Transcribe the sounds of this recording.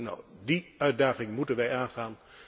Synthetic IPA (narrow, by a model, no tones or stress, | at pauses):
nɔ̰wdiœɥt̚daːχɪŋmutənʋɛjaːnχaːn